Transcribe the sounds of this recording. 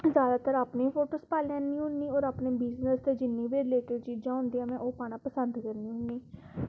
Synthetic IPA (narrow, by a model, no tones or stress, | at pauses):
zjaːd̪aːt̪əɾaːpnipʰoːʈoːspaːlɛ̃ːnːĩːɦʊ̃nːiːoːɾaːpneːbɪznəst̪ed͡ʒɪnːĩːʋeːɾleːʈəɾt͡ʃiːd͡ʒãːɦʊ̃nd̪ijãːmɛ̃ːʔoːpaːɽ̃ãːpəsənd̪kəɾniːɦʊ̃nːiː